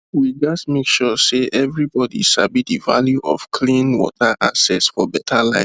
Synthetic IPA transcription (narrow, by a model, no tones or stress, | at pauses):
wid͡ʒasmekʃɔseʔɛvɹibɔdḭʃa̰bitdiva̰ljuʔɔ̰fkʰlĩnwɔ̰tʰaʔasɛsfɔbɛtʰalaɪ̃